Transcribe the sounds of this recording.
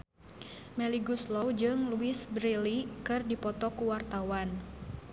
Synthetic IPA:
mɛliɡuslɔwd͡ʒɨŋluisbɾilikɨrdipɔt̪ɔkuwart̪awan

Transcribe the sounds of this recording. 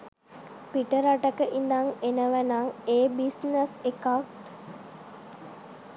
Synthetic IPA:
piʈəɾaʈəkəʔind̪aŋenəʋænaŋeːbisnəsekat̪

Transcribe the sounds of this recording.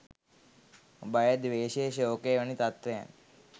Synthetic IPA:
bajad̪ʋeːʃeːʃoːkeːʋənit̪at̪ʋeja̰n

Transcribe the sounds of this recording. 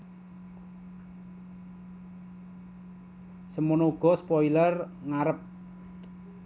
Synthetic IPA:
səmunouɡ̥ɔ̤spɔilər | ŋaɾəp̚

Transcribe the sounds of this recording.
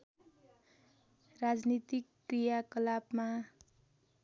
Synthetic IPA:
rad͡znit̪ikːrijakʌlabma

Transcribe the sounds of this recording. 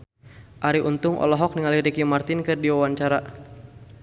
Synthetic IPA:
ʔaɾiʔunt̪ʊŋʔɔ̰lɔɦɔk̚niŋaliɾikimart̪ɪnkɨrdiwawaɲt͡ʃaɾa

